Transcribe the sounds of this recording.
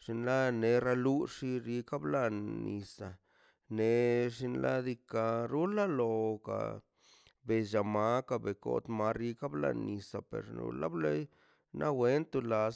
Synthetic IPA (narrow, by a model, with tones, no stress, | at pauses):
ʂi˧nla˦ne˨˧ɾa˧lu˦ʂi˧ɾi˧ka˦bla˧nːi˧sa˨ | ne˨ʂi˧nlʔa˦d̪i˧ka˧ɾu˦la˦lo˧ka̰˨ | be˨d͡ʒa˨ma˦ka˧be˨ko̰˦t̪ma˧˦ɾi˧ka˦bla̰˧nːi˨sa˨pḛ˨ɾnṵ˧la˦ble˦j | nʔa˦we˦nt̪u˧la˨˧s